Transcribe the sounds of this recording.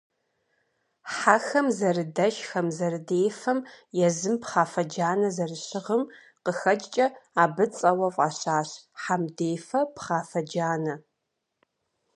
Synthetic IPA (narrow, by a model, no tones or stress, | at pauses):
ħaxɐmzɐrɨdɐʃxɐmzɐrɨdeːjfɐmjɛzɨmpχaːfɐd͡ʒaːnɐzɐrɨɕɪʁəm | qəxɐd͡ʒʼt͡ʃʼɐaːbɨt͡sʼɐwɐvʼaːɕaːɕħamdeːfɐpχaːfɐd͡ʒaːnɐ